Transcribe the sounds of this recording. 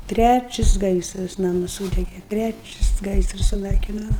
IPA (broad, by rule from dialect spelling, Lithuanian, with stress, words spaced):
ˈtʲrʲæt͡ʃʲɪs ˈɡɐɪsrɐs ˈnɑːmʊs ˈsuːdʲɛɡʲɛ ˈtʲrʲæt͡ʃʲɪs ˈɡɐɪsrɐs sʊˈnɐɪkʲɪnoː